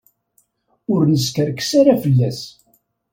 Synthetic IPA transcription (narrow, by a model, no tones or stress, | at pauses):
ʊɾnəskəɾkːsaɾafəlːæs